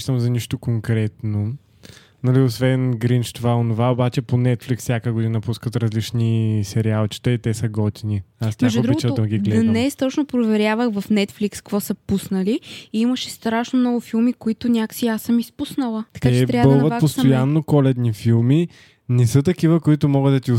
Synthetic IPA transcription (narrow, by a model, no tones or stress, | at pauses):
t̪əmzɐniʃt̪okoŋkɾɛt̪no | nɐliosvɛnɡɾint͡ʃt̪ovaonovaobat͡ʃɛponɛt̪flikssʲjakəɡʊd̪inɐpuskət̪ɾɐzlit͡ʃnisɛɾialˠt͡ʃi̥t̪ɛit̪ɛsɐɡɔt̪iniast̪ʲmaɛʒpɾiɡot͡ʃɐoɐɡiɡlɛnɛst̪ɔt͡ʃnopɾovɛɾʲjavəxvəfnɛt̪flikskkvɔsəpusnəliiiməʃɛst̪ɾaʃnomnɔɡʊfilˠmikoit̪ʊnʲaksiasːəmispusnəlˠət̪ɐ̥k̪aɛt͡ʃɛt̪ɾabəlˠvət̪post̪ojanːokɔlɛd̪nifilˠmi | nɛsət̪ɐkivəkoit̪ʊmɔɡəd̪d̪ɐt̪i